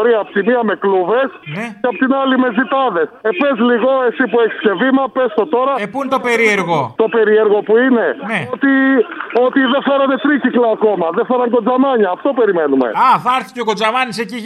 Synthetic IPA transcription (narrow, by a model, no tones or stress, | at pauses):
ɾiɐːpot̪imiɐme̞kluve̞sneeɐpot̪inɐlime̞zit̪ɐðe̞sepezliɣo̞e̞sipue̞çi̥sce̞vimɐpe̞st̪o̞t̪o̞ɾɐepuint̪o̞pe̞ɾieɾɣo̞t̪o̞pe̞ɾie̞ɾɣo̞puine̞neot̪io̞t̪iðefe̞ɾɐne̞t̪ɾiciklɐːko̞mɐðefe̞ɾɐŋko̞d͡zɐmɐɲɐːft̪o̞pe̞ɾime̞numḛɐθɐɾθi̥ceoko̞d͡zɐmɐniseci